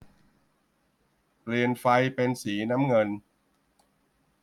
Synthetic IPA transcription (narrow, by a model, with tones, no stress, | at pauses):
pli˨˩ənfa˧jpe˧nsiː˩˦na˦˥mŋɤ˧n